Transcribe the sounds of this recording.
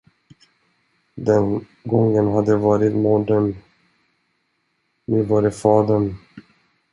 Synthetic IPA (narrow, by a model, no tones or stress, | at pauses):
d̪ɛn | ɡɔŋːənɦad̪ːəvɑːɾɪt̪muːɖən | nɵvaːɾəfɑːd̪əɳ